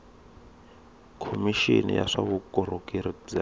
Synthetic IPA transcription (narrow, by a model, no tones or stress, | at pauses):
kʰomiʃinḭja̰ʂaβukɔɾokʼiɾid͡za